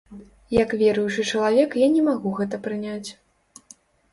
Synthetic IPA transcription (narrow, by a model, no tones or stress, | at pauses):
jɐkvʲɛɾujut͡ʂɨt͡ʂɐlˠavʲɛkjanʲɛmaɣuɣɛt̪ɐpɾɨnʲat͡sʲ